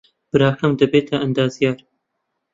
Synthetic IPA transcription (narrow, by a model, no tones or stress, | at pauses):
b̥ɨɾɑːhɐmd̪ɐbeːt̪ʰɐʔɐnd̪ɑːzijɑːɾ